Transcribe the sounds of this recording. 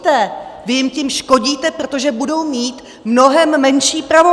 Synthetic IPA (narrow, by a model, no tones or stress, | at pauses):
t̪ɛvɪjɪmcɪmʃko̞ɟiːt̪ɛpɾo̞t̪oʒɛbudo̞wmiːt̪ | mno̞ɦɛmːɛnʃiːpɾavo